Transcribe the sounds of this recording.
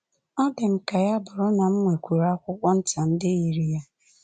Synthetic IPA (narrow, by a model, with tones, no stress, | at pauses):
ɔ˦dɪ˨m̩˨ka˨ja˦bʊ˨ɾʊ˦na˨m̩˦ŋʷe˨kʷu˨ɾa˦kʷʊ˦kʷɔ˦n̩˦ta˨n̩˦dɪ˦i˨ɾi˨ja˦